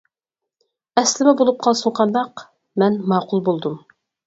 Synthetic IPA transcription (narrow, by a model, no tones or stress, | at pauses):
ɛslɪmɪbolˠup̚qʰɑlˠsuɴqʰɑnd̪ɑq | mɛnmɑːqʊlˠbolˠd̪um